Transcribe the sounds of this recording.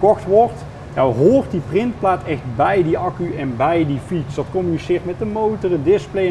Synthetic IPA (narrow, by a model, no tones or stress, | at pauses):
kɔxtʋɔrt | jawɦoːrtdiprɪnt̚plaːtɛxt̚bɛjdiɑkyɛnbɛjdifitsd̥ɑtkɔmynisɪːrtmɛtdəmowtərədɪsplej